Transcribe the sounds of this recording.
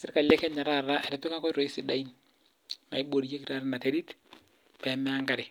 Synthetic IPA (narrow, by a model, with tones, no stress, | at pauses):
se˦ɾɪ˦ka˨lɛ˦kɛ˦ɲa˨ɾa˦ɾa˦ɛ˨ɾe˨pe˦ka˦kɔ˦i˦ɾo˨i˦si˨da˦i˦n | ma˨i˦bo˨ɾi˦je˦kiɾa˦ɾna˨te˦ɾi˦t | pɛ˨mɛ˦a˦ŋɡa˦ɾe˨